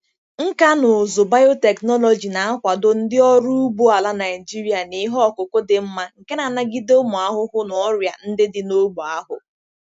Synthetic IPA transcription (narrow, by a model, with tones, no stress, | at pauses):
ŋ̩˦ka˦nʊ˨zo˨ba˦jo˦te˨knɔ˦lɔ˨d͡ʒi˨na˨a˦kʷa˨dʊ˦n̩˦dɪ˦ɔ˦ɾu˦u˦ɡ͡bo˦a˨la˦na˨ɪ˨d͡ʒi˦ɾi˦a˨ni˨ɦɔ˦˨kʊ˨ko˦dɪ˨m̩˦ma˦ŋ̩˨ke˦na˨na˦ɡi˦dmʊ˨a˦ɦʊ˦ɦʊ˦nɔ˨ɔ˦ɾja˨n̩˦dɪ˦dɪ˦no˦ɡ͡bo˨a˦ɦʊ̰˨